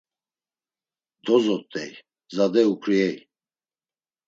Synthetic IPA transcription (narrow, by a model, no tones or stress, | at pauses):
d̪ɔzɔt̪ʼːɛj | zad̪ɛukʰɾiɛj